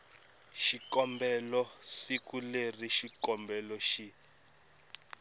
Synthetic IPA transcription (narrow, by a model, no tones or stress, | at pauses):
ʃikɔmbɛlɔsikuleriʃikɔmbɛlɔʃi